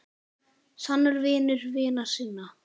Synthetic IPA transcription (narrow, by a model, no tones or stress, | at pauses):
sanːʏɾvɪːnʏɾvɪːnasiːnːa